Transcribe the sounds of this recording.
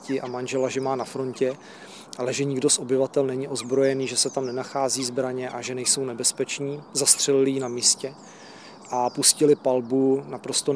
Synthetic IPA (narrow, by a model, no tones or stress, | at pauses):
cɪʔamanʒɛlaʒɛmaːnafɾo̞ncɛ | ʔalɛʒɛɲɪɡdo̞sʔo̞bɪvat̪ɛlnɛɲɪʔo̞zbɾo̞jɛniːʒɛsɛt̪amnɛnaxaːziːzbɾaɲɛʔaʒɛnɛjso̞wnɛbɛspɛt͡ʃniːzast̪r̝̥ɛlɪlɪjɪnamiːscɛ | ʔapuscɪlɪpalbunapɾo̞st̪o̞